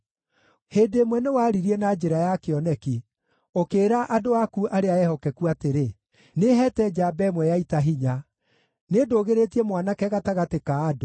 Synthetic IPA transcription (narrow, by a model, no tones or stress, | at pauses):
heːdemwɛnewaɾiɾiɛnad͡ʒeɾajakeɔnɛki | okeːɾaʔadoakuʔaɾeaɛhɔkɛkuateɾe | neɦɛtɛd͡ʒabɛmwɛjaitaɦiɲa | nedoːɣeɾetiɛmwanakɛɣataɣatekaːdo